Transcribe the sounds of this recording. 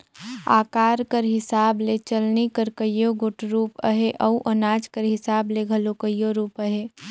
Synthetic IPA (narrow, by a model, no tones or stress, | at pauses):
a̰ːkaːɾkəɾɦɪsaːblet͡ʃəlnikəɾkəjoɡʊʈɾuːpə̰ɦeʔɐuʔənaːd͡ʒkəɾɦɪsaːbleɡʱɐlokəjːoɾuːpəɦeː